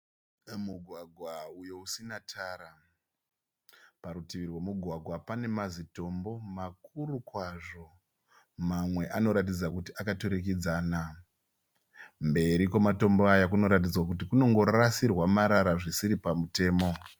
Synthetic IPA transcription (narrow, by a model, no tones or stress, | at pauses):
muɡʱwaɡʱwaujousinatʰaɾa | paɾutiʋirwomuɡʱwaɡʱwapane̞mazito̞mbo̞mak̚uɾukwaʐo̞ | mamwe̞ʔano̞ɾat̬id͡zakutiʔakatoɾek̬id͡zaːna | mbe̞ɾikomato̞mbo̞ajakuno̞ɾat̬id͡zwakutikuno̞ŋɡo̞rasirwamaɾaɾaʐisiɾipamute̞ːmo̞